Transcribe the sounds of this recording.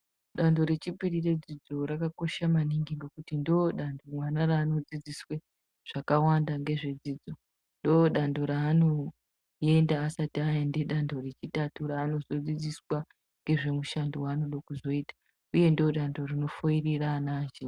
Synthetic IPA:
ɗando̞ɾe̞t͡ʃipiɾire̞d͡zid͡zo̞ɾakako̞ʃamaniŋɡiŋɡe̞kutindoɗandomwanaraːno̞d͡zid͡ziswe̞ | ʐ̥akawandaŋɡe̞ʐe̞d͡zid͡zo̞ | ndoɗandoɾaːno̞ | e̞ndaːsatiajende̞ɗando̞re̞t͡ʃitatuɾaːno̞zo̞d͡zid͡ziswa | ŋɡe̞ʐe̞muʃandowaːno̞ɗokuzo̞iːtḁ | uje̞ndooɗando̞rino̞foiriranaːʒe

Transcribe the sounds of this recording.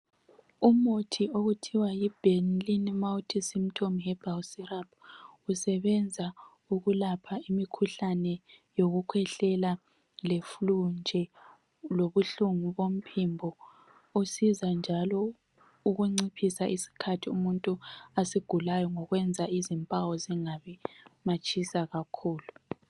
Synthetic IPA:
umutʰioɣutʰiwajib̥ʱenlinmawutʰisim̩tʰomɦɛb̥ʱawsirab̚ʰusɛβɛnd͡zʱa | uɣulapʰaimikʰuɬanɛjoɣukʰwɛɬɛla | leflund͡ʒʱɛ | loβuɬuŋuβom̩pʰimbʱɔ | usizand͡ʒʱalɔ | uɣuŋ͡ǀipʰisaʔisi̥kʰatʰiumuntʼuasiɡ̥ʱulajɔŋɔɣwɛnd͡zʱaizimpʼawɔziŋaβɛmat͡ʃʼisaɣakʰuːlu

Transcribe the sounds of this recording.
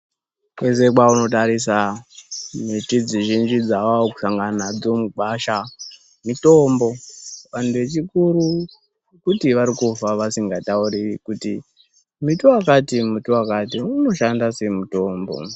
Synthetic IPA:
kwe̞s̬ek̬wauno̞t̬aɾis̬a | mitid͡ziʒind͡ʒid͡zawaoku̥ʃaŋɡanad͡zo̞muɓaʃa | mito̞mbo̞ʋan̤uʋe̞t͡ʃikuɾu | kutiʋaɾikufaʋasiŋɡatauɾiikuti | mituakatimutowakatiuno̞ʃandase̞muto̞ːmbo̰

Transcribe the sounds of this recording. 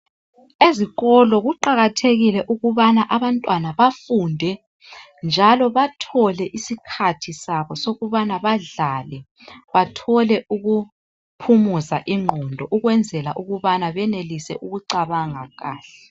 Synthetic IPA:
eziɣɔlɔɣuǃaɣatʰeɣilɛʔuɣuβanaʔaβantʼwanaβafundʱɛ | nd͡ʒʱalɔβatʰɔlɛʔisikʰatʰisaβɔsoɣuβanaβaɮalɛ | βatʰɔlɛʔuɣu | pʰumuzaʔiŋ͡ǃʱɔndʱɔʔuɣwɛnd͡zʱɛlaʔuɣuβanaβɛnelisɛ̰ʔuɣuǀaβaŋaɣaːɬɛ

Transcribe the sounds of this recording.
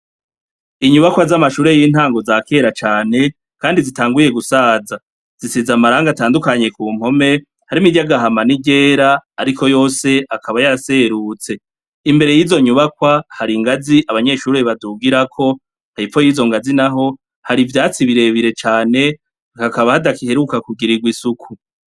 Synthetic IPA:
iɲuβakwazamaʃuːɾe̞jiːn̥haːŋɡo̞zake̞ːɾat͡ʃaːne̞ | kaːndizitaːŋɡuje̞ɡusaːza | z̥isizamaɾaːŋɡataːndukaɲe̞kuːm̥ho̞me̞ | haɾimiɟaɡaɦamaniɟe̞ːɾaːɾikʰo̞jo̞ːse̞ʔakʰaβajaɾase̞ɾut͡se̞ | imbe̞ɾe̞jiːzo̞ɲuβakwahaɾiŋɡaziʔaβaɲe̞ʃuːɾe̞βaduɡiɾakʰo̞ | haɾifo̞jiːzo̞ŋɡazinaɦo̞ | haɾivjaːt͡siβiɾe̞βiɾe̞t͡ʃaːne̞ | hakaβahadakihe̞ɾukakuɡiɾiɡwisukʰu

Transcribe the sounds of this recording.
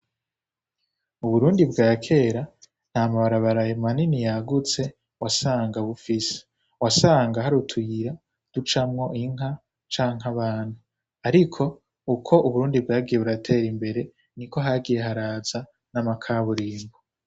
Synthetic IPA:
uβuɾuːndibɡaːkʰe̞ːɾa | n̥hamaβaɾaβaɾajemaninijaɡut͡se̞ | wasaːŋɡaβufise̥ | wasaːŋɡaɦaɾutʰujiɾa | d̥ut͡ʃamŋo̞ʔiŋɦa | t͡ʃaːŋɦaβaːn̥hu | aɾikʰo̞ | ukʰo̞ʔuβuɾuːndib̚ɡaːɡije̞βuɾatʰe̞ɾimbe̞ɾe̞ | niko̞ɦaɡije̞ɦaɾaːza | namakʰaβuɾiːmɡo

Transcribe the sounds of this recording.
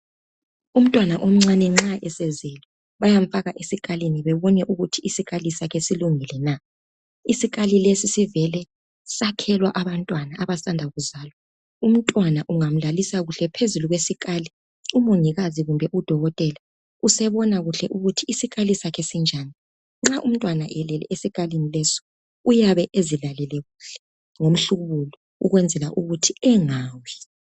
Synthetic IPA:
um̩tʼwanaʔom̩ŋ͡ǀanɛŋ͡ǁaʔɛsɛzɛlɔ | βajaɱ̩faɣaʔesikʼaliniβɛβɔnɛʔuɣutʰiisiɣalisakʰɛsiluŋilɛna | isiɣʼalilesisivɛlɛ | sakʰɛlwaʔaβantʼwanaːβasandʱaɣuzaːlɔ | um̩tʼwanaʔuŋam̩lalisaɣuɬɛpʰezuluɣwesiɣʼali | umoŋiɣaziɣumbʱɛʔud̥ʱɔɣɔtʼɛla | usɛβɔnaɣuɬɛʔuɣutʰiisiɣʼalisakʰɛsind͡ʒʱani | ŋ͡ǁaʔum̩tʼwanaʔɛlɛlɛ̰ʔesiɣʼalinilɛsɔ̥ | ujaβɛʔezilalɛlɛɣuɬɛ̥ | ŋom̩ɬuɣuβulɔ | ṵɣwɛnd͡zʱɛla̰ʔuɣutʰiɛŋaːwɛ

